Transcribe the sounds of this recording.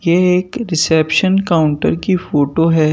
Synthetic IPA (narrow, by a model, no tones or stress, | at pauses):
jeeːkɾɪsepʃənkaːʊ̃ɳʈə̰ɾkifoːʈoɦɛ